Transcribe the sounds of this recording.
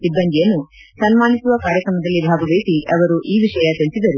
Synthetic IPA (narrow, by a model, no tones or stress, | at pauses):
sibːɐnd̪ijɐnːu | sɐnmaːnisuʋɐkaːɾjɐkɾɐmɐd̪ɐlːibʱaːɡɐʋeːsiʔɐʋɐɾuʔiːʋiʂɐjɐt̪iɭisid̪ɐɾu